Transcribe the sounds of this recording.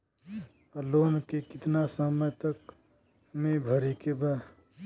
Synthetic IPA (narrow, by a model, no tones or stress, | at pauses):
loːnkekɪt̪nasəməjt̪ək | mẽbʱəɾikeba